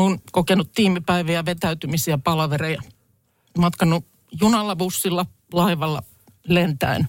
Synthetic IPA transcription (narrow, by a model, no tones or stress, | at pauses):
oinkokenut̪t̪iːmipæiʋiæʋet̪æyt̪ymisiæpɑlɑʋerejɑ | mɑt̪kɑnːu | junɑlːɑbusːilːɑ | lɑiʋɑlːɑ̰ | lent̪æ̰in